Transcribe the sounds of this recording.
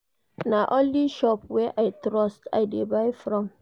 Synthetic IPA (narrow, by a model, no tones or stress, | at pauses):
naʔɔ̃nliʃɔpwɛʔaɪtɾɔsta̰ɪdebajfɾɔ̃m